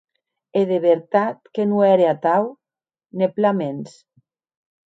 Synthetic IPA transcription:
eðeβeɾt̪at̪̚kenuɛɾeat̪aw | neplamens

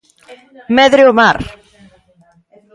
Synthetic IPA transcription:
mɛðɾɪɔmar

